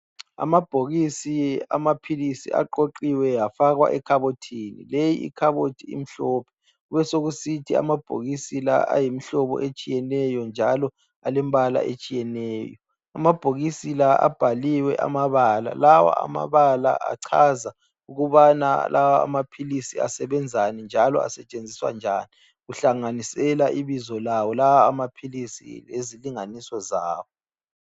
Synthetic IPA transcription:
a̰mab̥ʱoɣisia̰mapʰilisḭʔa̰ǃoǃiwɛjafaɣwa̰ʔɛkʰaβotʰinilejiḭkʰaβotʰiḭm̩ɬɔːpʰɛ̥ | uβɛsoɣusitʰia̰mab̥ʱo̰ɣisila̰a̰jimiɬɔβɔ̰ʔet͡ʃʼijɛnɛjɔnd͡ʒʱalɔ | alɛm̩bala̰ʔḛt͡ʃʼijɛnɛːjɔ | amab̥ʱoɣisilaa̰b̥ʱaliwɛʔa̰maβala̰lawa̰a̰ma̰βala̰a̰ǀʰaza | uɣuβana̰lʔawaa̰mapʰilisia̰sɛβɛnd͡zʱanind͡ʒʱalɔ̰a̰sɛt͡ʃʼend͡zʱiswa̰nd͡ʒʱaːni | ɣuɬaŋanisɛlaʔiβizɔlawɔlawaːmapʰilisḭleziliŋanisɔzaːwɔ

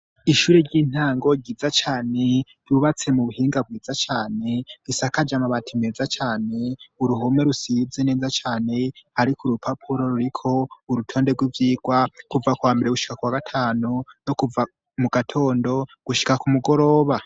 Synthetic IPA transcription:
iʃuːɾe̞ɾɟiːn̥haːŋɡo̞ɟiːzat͡ʃaːne̞ɟ̥uβat͡se̞muβuhiːŋɡab̚ɡiːzat͡ʃaːne̞ɡisakad͡ʒamaβatʰime̞ːzat͡ʃaːne̞uɾuɦome̞ɾusizene̞ːzat͡ʃaːne̞haɾikʰuɾupʰapʰuɾo̞ɾuɾikʰo̞uɾutʰo̞ːndeɡwivjiːɡ̥wakuvakwaːmbe̞ɾeɡuʃi̥kakuwaɡatʰaːnunokuva | muɡatʰo̞ːndo̞ɡ̥uʃi̥kakumuɡo̞ɾo̞ːβa

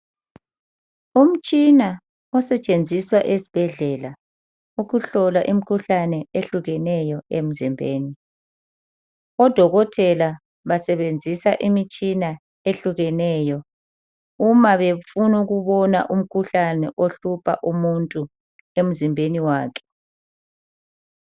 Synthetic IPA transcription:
um̩t͡ʃʼina | ɔsɛt͡ʃʼend͡zʱiswaʔesi̥b̥ʱɛɮɛla | uɣuɬɔlaʔimikʰuɬanɛeɬuɣɛnɛjɔem̩zimbʱeːni | ɔd̥ʱɔɣɔtʰɛla | βasɛβend͡zʱisaʔimit͡ʃʼina | eɬuɣɛnɛjɔ | umaβefunuɣuβɔna̰ʔum̩kʰuɬanɛʔoɬupʰaʔumuntʼu | em̩zimbʱeniwaːkʰɛ̥

